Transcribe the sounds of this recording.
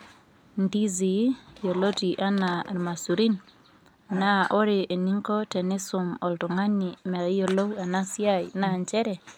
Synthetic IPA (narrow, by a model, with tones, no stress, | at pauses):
ndi˦zi˨jo˨lo˦ti˨ʔa˦na˨ɾma˨su˨ɾi˦n˨ | na˦ʔɔ˦ɾɪ˨ʔe˨ni˦ŋkɔ˦tɛ˨nɪ˦sʊ˨mɔ˨ltɔ˨ŋa˦ni˨mɛ˨˦jo˨lo˦wa˨na˦sja˦jna˦˨ɲt͡ʃɛ˦ɾɛ˨